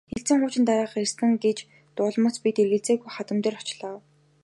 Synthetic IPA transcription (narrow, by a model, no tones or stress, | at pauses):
xeɬt͡sɘ̆ŋχʊːt͡ɕɪ̆nt̪aɾaːχĕsɘ̆ŋɡet͡ɕ | t̪ʊːɮmə̆t͡spit̪erɣɘ̆ɮt͡seːɣujχat̪ə̆mt̪eːrɔt͡ɕɮəːw